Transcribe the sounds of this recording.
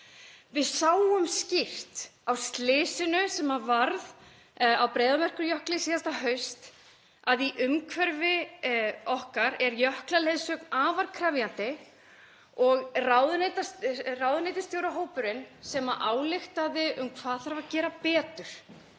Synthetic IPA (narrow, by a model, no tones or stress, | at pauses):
vɪðsaːwʏmscɪr̥t̪awst̪lɪːsɪnʏsɛmavaɾð | awpɾeːjðamɛr̥kʏɾjœhklɪsiːðast̪aɦœɥst̪ | aðiʔʏmkʰvɛɾvɪ | ɔhkaɾɛɾjœhklalejðsœːknaːvaɾkʰɾavjant̪ɪ | ɔɣraːwðʏnejt̪asrawðʏnejt̪ɪst̪jowɾaɦoːwpʏɾɪnsɛmaʔaːwlɪxt̪aðɪʔʏmkʰvaːðθaɾvacɛːɾapɛːt̪ʏɾ̥